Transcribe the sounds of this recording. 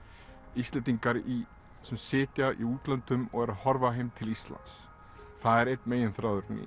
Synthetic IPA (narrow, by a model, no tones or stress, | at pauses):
ist̪lɛnt̪iŋkaɾi | sɛmsɪːt̪jaʔḭuːt̪lant̪ʏmɔ̰ɣɛɾaðhɔɾvaɦejmt̪ʰɪlist̪la̰nt̪s | θaðɛɾejt̪̚nmeːjɪnθɾaːwðʏɾnḭː